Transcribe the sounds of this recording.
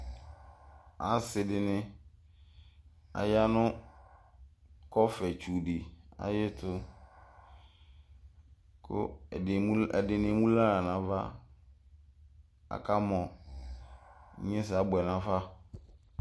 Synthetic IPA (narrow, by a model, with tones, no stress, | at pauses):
a˨sɪ˨dɪ˨nɪ̃˦ | a̰˨ja˦nʊ̃˦ | kɔ˦fɛ˨t͡ʃu˨dɪ˨a̰˨jɪ˦tʰʊ˦ | kʰʊ̰˦˨˦ | ɛ˨dɪ˨nɪ̃˨mũ˦la˦ɾa˨nã˨˦va˦ | a̰˨kʰa˦mɔ̃˨˦ | ɲɛ̃˦s̬a˦bɛ˨nã˨fa˦